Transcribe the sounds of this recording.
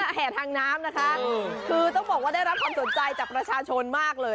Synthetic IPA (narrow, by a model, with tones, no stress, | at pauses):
a˥˩ɦʰɛː˨˩t̪ʰaː˧ŋnaː˦˥mna˦˥kʰa˦˥ʔkʰɯː˧t̪ɔ˥˩ŋbɔː˨˩k̚waː˥˩da˥˩jɾa˦˥p̚kʰa˧nso˨˩˦nt͡ɕa˧jt͡ɕaː˨˩pɾa˧t͡ɕʰaː˧t͡ɕʰo˧nmaː˥˩k̚lɤː˧j